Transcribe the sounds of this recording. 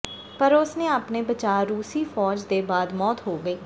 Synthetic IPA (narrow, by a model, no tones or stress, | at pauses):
pəɾʊsnẽːaːpneːbət͡ʃaːɾuːsiːfʰɔːd͡ʒd̪eːbaːd̪mɔːt̪ɦoːɡəiː